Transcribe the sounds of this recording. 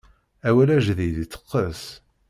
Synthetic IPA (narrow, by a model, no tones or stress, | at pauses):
æwælæʒðijd̪it͡sːə̥qːəs